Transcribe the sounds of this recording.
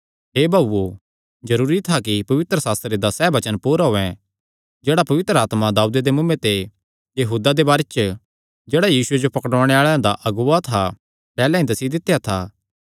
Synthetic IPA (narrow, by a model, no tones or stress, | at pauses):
ɦeːbʱaːbuo | zɐɾuːɾit̪ʰakipɐʋɪt̪ɾəsaːst̪ɾed̪asɛːbɐt͡ʃənpuːɾaɦoːɛ̃ | d͡ʒeːɽapɐʋɪt̪ɾəaːt̪mad̪aːud̪ed̪emʊ̃mːẽt̪e | jɐɦuːd̪ad̪ebaːɾet͡ʃ | d͡ʒeːɽajiːsʊed͡ʒopɐkəɽʋãːɽ̃eaːɭãd̪aʔɐɡuːat̪ʰa | pɛːlãĩd̪ɐsid̪ɪt̪ːejat̪ʰaː